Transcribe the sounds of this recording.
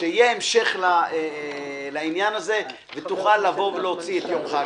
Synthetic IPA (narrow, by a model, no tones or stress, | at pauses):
eijeemʃe̞χla | lainjanaze̞ | vet̪uχalːavo̞veleot͡siet̪jo̞mχa